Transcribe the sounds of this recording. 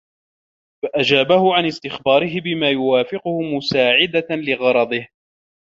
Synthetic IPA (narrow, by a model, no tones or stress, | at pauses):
faʔad͡ʒaːbahʊʕanɪst̪ɪxbɑːɾɪɦɪbɪmaːjʊwaːfɪqʊhʊmʊsaːʕɪd̪alɪɣɑɾˤɑd̪ˤɨh